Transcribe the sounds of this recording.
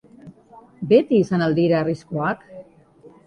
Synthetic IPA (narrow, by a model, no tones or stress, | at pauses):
be̞t̪iːsanald̪iɾaːriskoak